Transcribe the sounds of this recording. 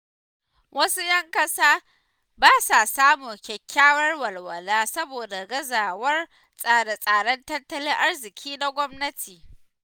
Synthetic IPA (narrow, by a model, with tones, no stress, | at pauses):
wʔɐ˦su˦jɐ˦ŋkɐ˦saː˦ | baː˦sa˨saː˦moː˨kʲɛ˨kʲːaː˦wɐ˦rwɐ˨lwɐ˨laː˦sɐ˦boː˨da˨ɡɐ˦zaː˨wɐ˦r | sʼaː˦˨ɽe˦sʼaː˨ɽɐ˦ntɐ˦ntːɐ˦lɪ˦ŋʔa˦rzɪ˨kʲʰiː˦na˨ɡʷɔ˦mnɐ˦tʰiː˨